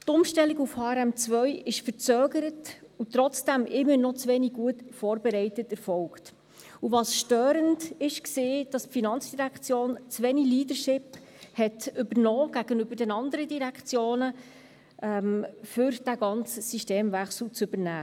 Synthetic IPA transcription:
tʊmʃtɛlːiɡufhɑːɾɛmt͡svœʏɪʃfəɾt͡søːɡəɾətut̪ɾɔt͡sd̥æmʔɪmːənɔt͡sʋɛːniɡ̚ɡuətfoːɾbɛɾɛɪtətɛɾfɔlkt | uvɑsʃtøːɾəndɪʃkseːd̥ɑsfinɑnt͡sd̥iɾækt͡sjoːnt͡sʋɛniliːdəɾʃɪphɛtʏbənɔːɡ̥æɡənʏbəɾdɛnɑndəɾədiɾækt͡sjoːnə | ɛmfʏɾd̥æɡɑnt͡səsiʃteːmvæχsl̩t͡sɵbəɾnæː

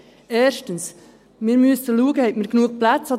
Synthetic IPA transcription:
eːʃtəns | miːɾmysəluːɡəhɛtməknuək̚plæt͡sɑd

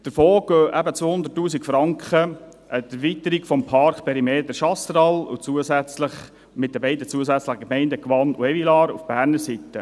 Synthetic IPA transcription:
d̥əɾfoːɡ̥øːʔæbət͡sʋoːhʊnd̪ətːuːsikfɾɑŋkχə | ʔətæɾvit̪əɾikfɔmpʰɑɾkpʰɛɾimeːdəʃɑstɾɑlʊ̰t͡suəsæt͡sləχ | mɪt̪̚dəbɛɪdət͡suəsæt͡sləχəkmɛɪndəkʋɑnṵɛvilɑːɾṵfb̥æːɾnəɾsitə

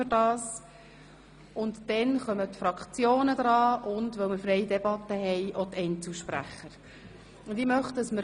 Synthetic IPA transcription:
d̥ɑːs | ʊntd̥ɛnχœmət̪fɾɑkt͡sjoːnəd̥̪ɾɑːʔʊndʋœlmɪɾfɾɛɪdɛb̥ɑt̪ːəɦɛjʔɔt̪ʰɛɪnt͡suʃpɾæ̰χːəɾ | ʊndɪmœχtd̥ɑsməɾ

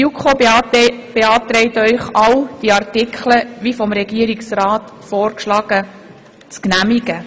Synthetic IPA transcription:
jukʰo | b̥eɑːtɾɛɪtœʏχɑwd̥iɑrtɪkʰləʋifɔmɾɛɡiəɾiksrɑːtfɔːrkʃlɑːɡ̥ə | t͡sknæmiɡə

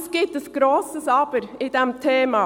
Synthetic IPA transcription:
sɡ̥ɪt̪̚d̪əsɡ̥ɾoːsəsɑːbəɾid̪ɛmt̪ʰeːmɑ

